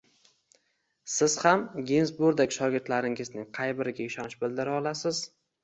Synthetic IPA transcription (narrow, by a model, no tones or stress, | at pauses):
sɪz̥hamɡʲenzbʊɾd̪akʲʃɒɡʲɪɾt̪laɾɪŋɪznɪŋqʰɑjbɪɾɪɡʲaɪʃɒnɪʃbɪlˠd̪ɪɾaɒlˠasɪz̥